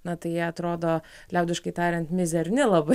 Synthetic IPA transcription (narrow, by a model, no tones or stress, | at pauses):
nɐt̪ɐɪjiɛɐt̪ɾoːd̪oː | lʲɛʊd̪ʲɪʃkɐɪt̪ɑːɾʲɛnt̪mʲɪzʲɛɾʲnʲɪlˠɐbɐ